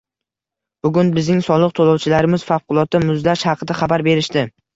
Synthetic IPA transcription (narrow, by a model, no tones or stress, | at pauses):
b̥ʊɡʲʊnbɪznɪŋsɒlˠɨq̚t̪ʰolˠɒwt͡ʃʰɪlaɾɪmɪz̥fɑfqʰʊlˠɒt̪ːamʊzd̪aʃhɑqʰɨd̪aχabaɾbe̞ɾɪʃt̪ɪ